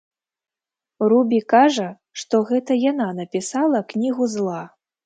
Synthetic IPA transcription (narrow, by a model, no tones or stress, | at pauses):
ɾubʲikaʐɐ | ʂt̪ɔɣɛt̪ɐjananɐpʲisalˠɐknʲiɣuzlˠa